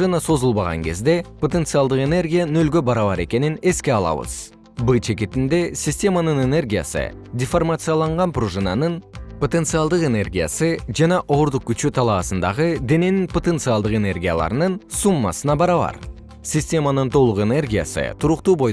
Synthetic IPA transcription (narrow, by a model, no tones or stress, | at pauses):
ʐɨnaso̞zulˠbɑʁɑ̰ŋke̞zd̪e̞pʰot̪e̞nt̪sɨɑlˠd̪ɨqe̞ne̞rɡʲijanø̞lɡʲø̞bɑɾɑβɑɾe̞kʲe̞nine̞skʲe̞ɑlˠɑ̰βɯ̰z̥ | bɨt͡ʃe̞k̬ʲe̞t̪ind̪e̞sʲisʲtʲe̞manɯne̞ne̞rɡʲija̰sɨ̰d̪ʲɪformat̪sɨjalˠɑɴʁɑnproʐɨna̰nɯnpo̞t̪e̞nsɨalˠd̪ɯqe̞ne̞rɡʲija̰sɨd͡ʒɑnɑʔo̞ɾd̪uq̚kʲyt͡ʃyt̪ʰɑlˠɑːsənd̪ɑʁɯd̪e̞ne̞ninpʰo̞t̪e̞nt̪sɨalˠd̪ɯqe̞ne̞rɡʲija̰lˠɑ̰ɾnɯnsumːɑ̰sɯnɑbɑɾɑβɑ̰ɾ | sʲisʲtʲe̞manɯnt̪ʰo̞lˠuqe̞ne̞rɡʲija̰sɨ̰t̪ʰuɾuqt̪uːbo̞j